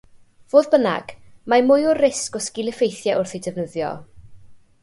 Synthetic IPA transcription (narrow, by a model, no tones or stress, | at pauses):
v̥oːðbəna̰ɡ̥mamʊjʊrɪskɔskɪlˠɪfejθjɛʔʊrθejdɛvnəðjɔ̰